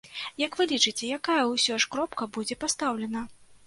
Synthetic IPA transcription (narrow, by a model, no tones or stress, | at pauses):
jɐkvɨlʲit͡ʂɨt͡sʲɛjakajɐwsʲɔʂkɾɔpkɐbud͡zʲɛpast̪awlʲɛnɐ